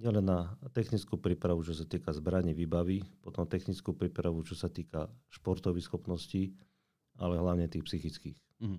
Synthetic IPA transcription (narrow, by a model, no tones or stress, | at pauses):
ɲɪɛlɛnːat̪ɛxnit͡skupɾiːpɾaʋut͡ʃɔsat̪iːkazbɾaɲiʋiːbaʋipɔt̪ɔmt̪ɛxnit͡skuːpɾiːpɾaʋut͡ʃɔsat̪iːkaʃpɔɾt̪ɔʋisxɔpnɔsci | a̰lɛɦlaʊɲɛt̪iːxpsixit͡skiːx